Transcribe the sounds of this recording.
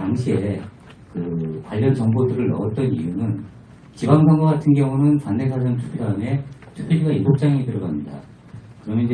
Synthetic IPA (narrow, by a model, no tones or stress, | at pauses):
taŋɕʰie̞ | kɯpwaʎːʌnt͡ɕʌŋbodɯɾɯɭnʌʌt̚t͈ʌnijunɯn | t͡ɕibaŋsʰaŋɡoɡatʰɯnɡjʌŋunɯnpanːesʰad͡ʑʌntʰu̥pʰidaɯme̞tʰu̥pʰiɭd͡ʑiɡainbok̚t͡ɕ͈aiŋitɯɾʌɡamɲida̰ | kɯɾʌmjʌnd͡ʑ